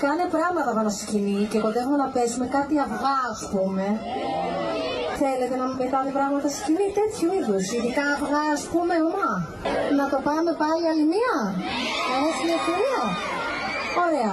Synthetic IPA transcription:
kɐne̞pɾɐɣmɐt̪ɐpɐnɐscinice̞kod̪exume̞nɐpe̞sume̞kɐt̪iɐvɣɐːspume̞ | θe̞le̞t̪e̞nɐmmet̪ɐt̪epɾɐɣmɐt̪ɐse̥scinit̪e̞t̪çuiðosiðikɐːvɣɐːspume̞umɐ | nɐt̪o̞pɐme̞pɐliɐliniɐ | nɐesimɐfoɾiɐ | o̞ɾe̞ɐ

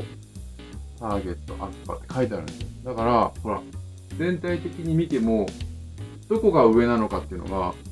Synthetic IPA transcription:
t̪aːɡe̞t̪ːo̞̰ʔa̰kɨ̥pa̰t̪ːe̞̥kʰait̪eaɾɯ̟̰̃nesod̪akaɾaho̞ɾa̰ | d͡zẽ̞nt̪ait̪e̞kʲiɲ̟imʲit̪e̞mo̞ | d̪̥o̞ko̞ɡaɯ̟e̞nano̞kat̪ːe̞iɯ̟̰no̞ɡa

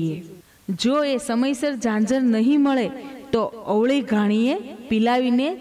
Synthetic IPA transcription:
e | d͡ʒoesəməjsəɾd͡ʒãd͡ʒəɾnəɦĩməɭet̪oəʋɭiɡʱaɽ̃iepilaʋine

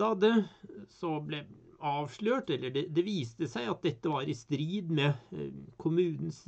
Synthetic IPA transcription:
ɑd̪əsɔblɛ | ɑːʋʂɭøːʈɛlːəɖɛd̪ɛʋiːst̪əsæɪɑt̪̚d̪ɛt̪ːəʋɑɾɪst̪ɾiːd̪mɛkʰʊmʉːnn̩s

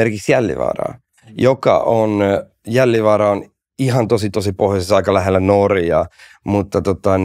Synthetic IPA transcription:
erkiksjælːḭʋɑ̰ːrɑ̰ː | jokɑ̰ʔon | jælːiʋɑːɾɑon | iɦɑnt̪osit̪osipohjosisɑikɑlæɦelːænorjɑ̰ | mut̪ːɑt̪ot̪ɑ

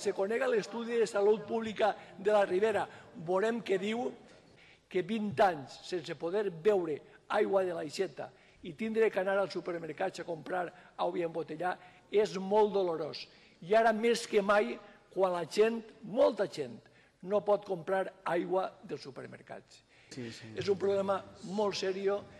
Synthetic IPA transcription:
sekoneɣalest̪uðiðesalut̪̚puβlikaðelariβeɾabolemkeðiw | keβint̪aɲssensepoðeɾbɛwɾe | ajɣwaðelajʃɛt̪a̰ | it̪ind̪ɾekanaɾalˠsupeɾmeɾkat͡sakompɾaɾawβiaembot̪eʎa | ezmolˠt̪d̪oloɾos | iaɾameskemaj | kwanlaʒent̪molˠt̪aʒent̪ | nopɔt̪kompɾaɾajɣwaðelˠsupeɾmḛɾka̰t͡s | ezumpɾoβlemamolˠtsɛɾio

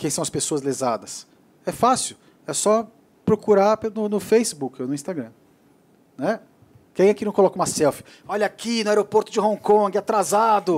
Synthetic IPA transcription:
kẽj̃sɐ̃w̃ɐspesoɐzlezad̪ɐs | ɛfasiʊ | ɛsɔ | pɾokuɾapnʊnʊfejsibukɪonʊĩst̪aɡɾɐ̃ | nɛ | kẽj̃akinɐ̃w̃kolɔkɐũmasɛwfɪ̥ | ɔʎakinɐ̃ɛɾopoɾt̪ʊd͡ʒɪɦõkõɡɪat̪ɾazad̪ʊ

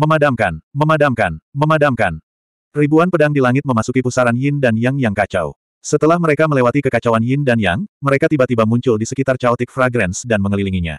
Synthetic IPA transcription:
məmadamkanməmadamkanməmadamkan | ribuanpədaŋdilaŋɪt̪̚məmasukipusaɾanjɪndanjaŋjaŋkat͡ʃa̰w | sət̪əlahməɾekaməlewat̪ikəkat͡ʃawanjɪndanjaŋməɾekat̪ibat̪ibamuɲt͡ʃʊldisə̥kit̪art͡ʃaɔt̪ɪk̚fɾaɡɾɛnsdanməŋəliliŋiɲa̰

